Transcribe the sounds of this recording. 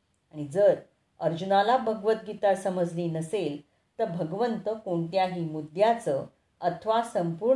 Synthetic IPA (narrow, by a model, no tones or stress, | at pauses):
aɽ̃id͡zəɾ | əɾd͡ʑunalabʱəɡʋət̪̚ɡit̪aɾsəməd͡zʱliːnəsel | t̪əɾbʱəɡʋənt̪əkoɳt̪jaɦiːmud̪ʱjat͡sə | ət̪ʰʋasəmpuɾ